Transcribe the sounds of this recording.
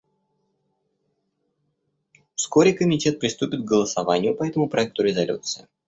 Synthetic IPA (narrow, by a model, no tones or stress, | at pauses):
fsko̞ɾʲɪkəmʲɪtʲe̞t̪̚pɾʲɪst̪upʲɪt̪̚ɡəlˠəsɐvanʲɪjʊpɐɛt̪əmʊpɾɐɛk̚t̪ʊɾʲɪzɐlʲṵt̪sɨɪ